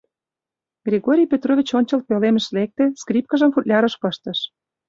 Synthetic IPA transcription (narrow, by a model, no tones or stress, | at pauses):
ɡ̥rʲeɣoɾʲijpʲet̪rovʲit͡ɕonʲt͡ɕɤ̆lt̪̚pelemə̆ʃlek̚t̪ĕskrʲip̚kɑʒə̆mfut̪lʲɑɾɤ̆ʃpɤ̆ʃt̪ɤ̆ʃ